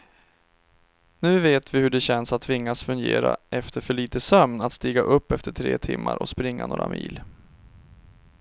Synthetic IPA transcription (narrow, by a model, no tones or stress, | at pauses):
nʉ̟ːveːt̪vɪhɵɖɛɕɛnsat̪ʰːvɪŋːasfɵŋɡeːɾaʔɛft̪əɾfœɭiːt̪əsœmnat̪st̪iːɡaʔɵpːɛft̪əʈʰɾeːt̪ʰɪmːaɾʔɔspɾɪŋːanoːɾamʔḭːl